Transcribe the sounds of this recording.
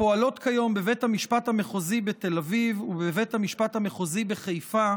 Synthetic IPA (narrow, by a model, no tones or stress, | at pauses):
o̞alo̞t̪kʰajo̞mbevethamiʃpathame̞χozibet̪e̞lavivubevethamiʃpat̪hameχozibe̞χejfa